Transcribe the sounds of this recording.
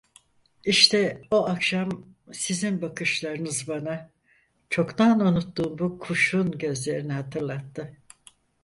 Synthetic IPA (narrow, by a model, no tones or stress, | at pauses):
iʃt̪ʰɛoakʃam | sizinbakʰɯʃlˠaɾɯnɯzbana | t͡ʃʰo̞kt̪anunut̪ːuːnbukʰuʃunɟø̞zlʲe̞ɾiniɦat̪ʰɯɾlˠat̪ːɯ